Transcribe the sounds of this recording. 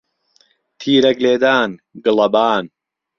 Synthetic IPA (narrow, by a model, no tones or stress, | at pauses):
t̪ʰiːɾɐɡleːd̪aːnɡɨlɐbaːn